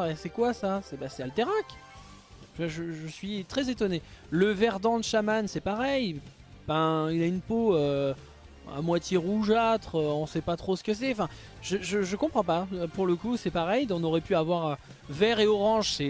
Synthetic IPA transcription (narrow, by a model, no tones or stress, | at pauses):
ɛsɛkwasasɛbasɛalt̪eʁak | vaʒəʒəsɥit̪χɛzet̪ɔneləvɛʁd̪ɑ̃d̪əʃamansɛpaʁɛj | bɛ̃ilaynpoø | a̰mwat̪jeʁuʒat̪χøɔ̃sɛpat̪χosə̥kəs̬ɛɑ̃fɛ̃ | ʒ̥əʒəʒəkɔ̃pχɑ̃paøpuʁləkusɛpaʁɛjd̪ɔ̃nɔʁɛpyavwaʁø | vɛʁeɔʁɑ̃ʒsɛ